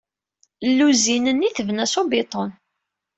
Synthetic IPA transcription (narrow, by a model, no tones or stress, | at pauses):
lːuzinənːiθəvnæsobɪt̪ˤon